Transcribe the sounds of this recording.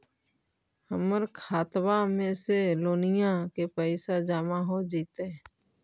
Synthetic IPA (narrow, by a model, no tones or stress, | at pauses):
həməɾkʰaːt̪wamẽseloːnɪjãkepəɪsad͡ʒaːmaɦod͡ʒiːt̪e